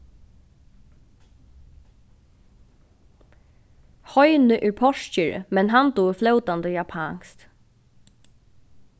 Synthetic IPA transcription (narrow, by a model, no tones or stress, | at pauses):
hɔjnɪʔɛɹpʰɔʂt͡ʃəɹ̰mɛnɦant̪uːflœːwt̪and̪əjapʰaŋst̪